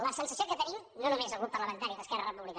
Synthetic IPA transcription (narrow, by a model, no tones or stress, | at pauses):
ləsənsəsiokət̪ənimnonumezəɣut̪̚pəɾləmənt̪aɾiðəskɛrərəmuβlið